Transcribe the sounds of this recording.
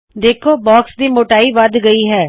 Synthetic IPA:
d̪eːkʰobɔːksd̪imoːʈaːiʋɐd̪ɡɐiɦɛː

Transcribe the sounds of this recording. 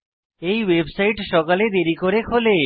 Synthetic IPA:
ejwebsajʈʃɔkaled̪eɾikoɾekʰole

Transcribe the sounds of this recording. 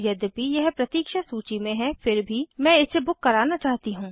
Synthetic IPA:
jɐd̪pijɐɦpɾɐt̪iːkʃasuːt͡ʃimẽɦɛ̃fɪɾbʱimɛ̃ːɪsebʊkːɐɾaːnat͡ʃaːɦt̪iɦũː

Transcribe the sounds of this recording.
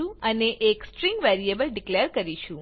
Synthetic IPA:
ũəneʔeksʈɾĩŋɡʋɛɾiebəlɖikleəɾkəɾiʃũ

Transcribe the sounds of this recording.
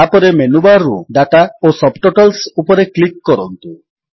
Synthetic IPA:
apɔɾemenubaɾːṵɖaʈaosɔbʈoʈɔlsupɔɾeklikːɔɾɔnt̪u

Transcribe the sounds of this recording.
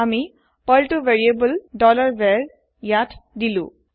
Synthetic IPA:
ami | pɔltuveɹiebuldɔlaɹbɛɹ | jatdilʊ̰̃

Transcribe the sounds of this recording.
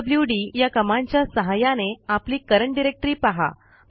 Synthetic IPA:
bljuɖijakəmãɲt͡ɕjasəɦajaneapliːkəɾəɳʈɖiɾek̚ʈəɾiːpaɦa̰

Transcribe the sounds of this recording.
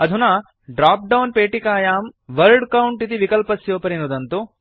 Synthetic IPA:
ɐd̪ʱuna | ɖɾaːp̚ɖɐwnpeːʈikaːjaːmʋɐɾɖkɐwuɳʈit̪iʋikɐlpɐsjoːpɐɾinud̪ɐnt̪u

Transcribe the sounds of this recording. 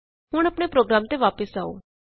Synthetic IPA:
ɦʊɽ̃ɐpɽ̃epɾoːɡɾaːmt̪eʋaːpəsaːo̰ː

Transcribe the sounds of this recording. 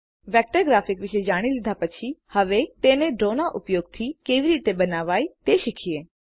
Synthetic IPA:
ʋɛːk̚ʈəɾɡɾaːfɪkʋɪʃed͡ʒaːɽ̃ilɪd̪ʱapɐt͡ʃʰihɐʋet̪eːnẽɖɾoːnaʔʊpjoːɡ̚t̪ʰikeːʋiɾiːt̪ebɐnaːʋaːit̪eːʃɪkʰieː

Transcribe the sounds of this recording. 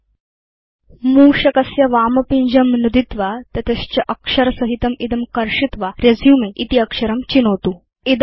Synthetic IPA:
muːɕɐkɐsjɐʋamɐpiɲd͡ʑəmnud̪it̪ʋat̪ɐt̪est͡ɕɐʔəkʂəɾsəɦit̪ɐmid̪əmkɐɾʂit̪ʋaɾjɐd͡zjumeʔit̪iɐkʂəɾəmt͡ɕinot̪u | id̪

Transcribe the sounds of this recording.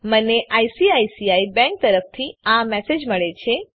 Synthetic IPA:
məneʔajsiajsiaibɛ̃ŋk̚t̪əɾəft̪ʰiamɛsed͡ʒməɭet͡ʃʰe

